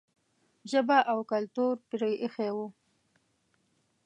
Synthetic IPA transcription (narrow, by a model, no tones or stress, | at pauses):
ʒəbaʔawkalt̪uɾpiɾəjʔexewu